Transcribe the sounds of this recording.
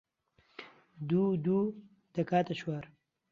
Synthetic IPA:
d̪uːd̪uː | d̪̥ɐkaːt̪ɐʃwaːɾ

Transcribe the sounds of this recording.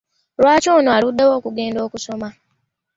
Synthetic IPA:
lwaːcoːnoaludːewo̞ːkuɡe̞ːndo̞ːkuso̞ma

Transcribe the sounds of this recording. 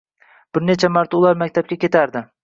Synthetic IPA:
b̥ɪɾnet͡ʃʰamaɾt̪ʰʊlˠaɾmakʲt̪ʰap̚kʲakʲe̞t̪ʰaɾd̪ɪ

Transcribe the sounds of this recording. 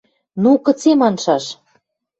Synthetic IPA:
nukə̆t͡semɑnʃɑʃ

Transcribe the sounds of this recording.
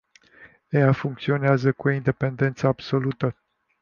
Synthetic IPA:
ejafuŋk̚t̪sio̞neazəkuoind̪e̞pe̞nd̪e̞nt̪səab̥so̞lut̪ə

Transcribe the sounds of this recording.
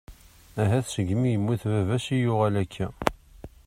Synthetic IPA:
æɦæθsəɡmijəmːiθvævæsijʊʁælækʰːæ

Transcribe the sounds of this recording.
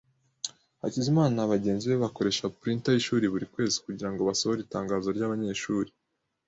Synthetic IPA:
ha̰cizimaːnaβaɟe̞ːnziβe̞βako̞ɾe̞ʃapɾintajiʃuːɾiβuɾikwe̞ːzi̥kuɟiɾaŋɡo̞βasohoɾitaːŋɡaːzo̞ɾɟaβaɲe̞ːʃuːɾi

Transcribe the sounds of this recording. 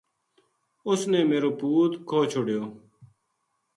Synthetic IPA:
ʊsneːmeːɾoːpuːt̪kʰoːt͡ʃʰoːɽjoː

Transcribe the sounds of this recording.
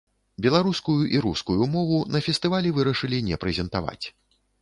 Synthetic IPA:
bʲɛlˠaɾuskujuʔiɾuskujumɔvunɐfʲɛst̪ɨvalʲɛvɨɾɐʂɨlʲinʲɛpɾɛzʲɛnt̪ava̰t͡sʲ

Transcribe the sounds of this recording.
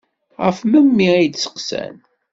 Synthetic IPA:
ʁə̰fməmːiid̪sə̥qsæ̰n

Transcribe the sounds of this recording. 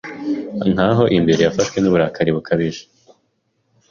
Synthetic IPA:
n̥haːɦo̞ʔimbe̞ɾe̞jafaʃwe̞nuβuɾaːkʰaɾiβukʰaβiʒe̥

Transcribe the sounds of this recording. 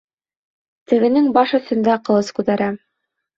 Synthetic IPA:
t̪ɘ̆ɡɘ̆nɘŋbɑʃɵ̆θɵ̆nd̪æqɤ̆lˠɤskʉt̪æɾæ

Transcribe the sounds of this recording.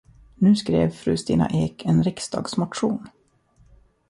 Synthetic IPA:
nʉ̟ːskɾḛːvfɾʉ̰ːst̪iːna̰ʔeːkʰɛnɾɪksd̪ɑ̰ːɡsmaʈʂuːn

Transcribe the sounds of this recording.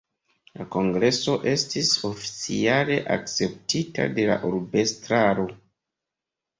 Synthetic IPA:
lako̞ŋɡɾe̞so̞ʔe̞stiso̞fi̥t͡siale̞ʔa̰k̚t͡se̞p̚tita̰de̞la̰ʔuɾbe̞stɾaɾo̞

